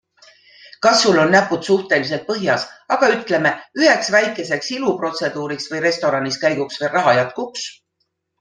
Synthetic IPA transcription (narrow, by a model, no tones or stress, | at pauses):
kɑsːulːo̞nːæpːˑut̪suht̪e̞lis̬e̞lt̪̚pɤɦjɑsɑɡ̥ɑyt̪ˑle̞me̞yɦe̞ksvæjkːˑe̞se̞ksilupro̞t̪se̞d̪̥uːɾiksvɤjre̞st̪o̞ɾɑniskæjɡuksverɑɦɑjɑt̪̚kuks